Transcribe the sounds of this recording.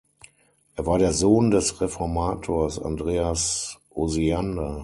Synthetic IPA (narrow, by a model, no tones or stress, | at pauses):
ʔeːɐvaːɐɾeːɐzoːndɛsʁɛfɔɐmaːtʰoːɐsa̰ndʁeːasʔozianda